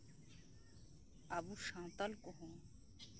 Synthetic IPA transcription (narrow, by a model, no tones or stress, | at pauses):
abuɾʃãːt̪alkɔɦõ